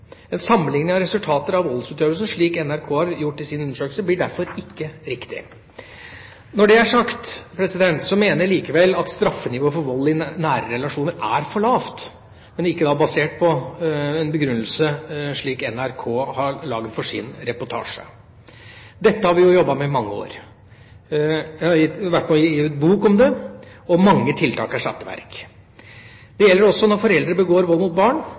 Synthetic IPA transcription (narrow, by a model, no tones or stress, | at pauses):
ɛnsɑmːəlɪŋnɪŋɑɾɛsʉlt̪ʰɑːt̪əɾɑʋɔlːsʉːt̪øːʋəlsənʂɭiːkɛnæɾkʰoːhɑɾjʊʈːɪsɪnʉnːəʂøːkl̩səblɪɖæɾfɔɾɪkːəɾɪkt̪ɪ̰ | nɔɖɛæʂɑkt̪pʰɾɛsɪd̪ɛnt̪sɔmeːnəliːkəʋɛlːɑt̪st̪ɾɑfːənɪʋoːəfɔɾʋɔlːɪnæːɾəɾɛlɑʂuːnəɾæɾfɔɭɑːft̪ | mɛnɪkːəd̪ɑːbɑseːʈ̚pʰɔɛnbəɡɾʉnːəlsəʂɭiːkɛnæɾkʰoːhɑɾɭɑːɡd̪fɔʂɪ̰nɾɛpɔʈʰɑ̰ːʂə̰ | d̪ɛt̪ːəhɑɾʋɪjʊjɔbːɑmɛɪmɑŋːəo̰ːɾ | jæhɑʋæʈːnuɪʉːt̪buːkɔmd̪ɛɔmɑŋːət̪ʰɪlt̪ʰɑ̰ːkæʂɑt̪ːəʋæ̰ɾk | d̪̥ɛjɛlːəɾɔsːɔnɔɾfɔɾɛld̪ɾəbəɡoːɾʋɔlːmʊt̪̚bɑːɳ